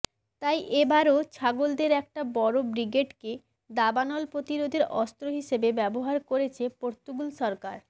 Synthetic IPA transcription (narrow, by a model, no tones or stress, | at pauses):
t̪ajʔebaɾot͡ɕʰaɡold̪eɾɛk̚ʈabɔɾobɾiɡeʈke | d̪abanɔlpɾot̪iɾod̪ʱeɾɔst̪ɾoɦiʃebebɛboɦaɾkoɾet͡ɕʰepoɾt̪uɡulʃɔɾkaɾ